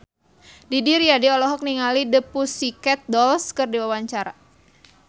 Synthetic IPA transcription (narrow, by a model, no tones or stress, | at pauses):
didiɾijadiɔlɔɦɔk̚niŋalidəpusikɛt̪̚dɔlskərdiwawaɲt͡ʃaɾa